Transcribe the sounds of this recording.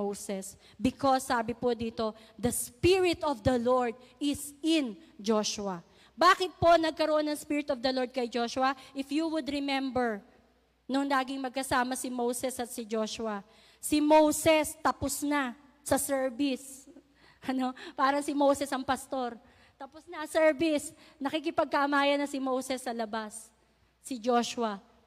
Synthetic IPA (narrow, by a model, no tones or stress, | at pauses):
owsɛs | bɪkosːaːbɪpod̪iːt̪o̞ | d̪ɐspɪɹɪt̪ɔvd̪ɐloɹd̪̚ɪsɪnd͡ʒoʃʊɐ | baːkɪt̪̚po̞nɐɡ̚kɐɾoʔonːɐŋspiɹɪt̪ɔvd̪ɐloɹd̪̚kɐjd͡ʒo̞ʃʊwɐʔɪfjuwʊd̪ɾɪmɛmbɛɹ | nʊŋlaːɡɪŋmɐɡ̚kɐsaːmɐsɪmowsɛsɐt̪̚sɪd͡ʒoʃʊɐ | sɪmowsɛst̪ɐposna | sɐsɛɹbɪs | ʔɐno̞paːɾɐŋsɪmowsɛsɐŋpɐst̪o̞ɾ | t̪ɐposnɐsɛɹbɪsnɐkik̬ɪpɐɡ̚kɐʔɐmaːjɐnɐsɪmowsɛsːɐlɐbasː | ɪd͡ʒoʃʊwɐ